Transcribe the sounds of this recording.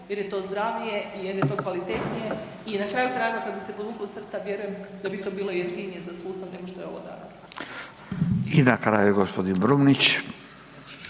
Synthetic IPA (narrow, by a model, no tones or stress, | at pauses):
jeɾje̞t̪o̞ːzd̪ɾaʋije̞ijeɾjet̪o̞ːkʋalit̪et̪nije̞ | inakɾaːjut̪ɾaːjeɡokad̪bise̞pod̪uːklosr̩t̪saʋje̞ɾuje̞md̪abit̪o̞biːlo̞jeft̪inijezasuːst̪aʋne̞ɡoʃt̪oeo̞̰ʋo̰d̪a̰nas | id̪akɾajiɡospod̪inbɾumnit͡ɕ